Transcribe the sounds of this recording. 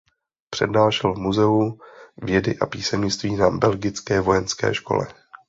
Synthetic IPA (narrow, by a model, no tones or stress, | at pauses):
pr̥ɛdnaːʃɛlvmuzɛuvjɛdɪʔapiːsɛmɲɪt͡st̪viːnabɛlɡɪt͡skɛːvo̞jɛnskɛ̰ːʃko̞̰lɛ̰